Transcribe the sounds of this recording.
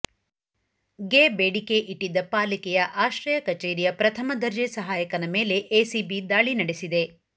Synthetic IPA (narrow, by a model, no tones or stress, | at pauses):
ɡeːbeːɽikeʔiʈːid̪ɐpaːlikɛjɐʔaːʃɾɐjɐkɐt͡ʃeːɾijɐpɾɐt̪ʰɐmɐd̪ɐɾd͡ʒesɐɦaːjɐkɐnɐmeːle̞ʔeːsibid̪aːɭinɐɽesid̪e̞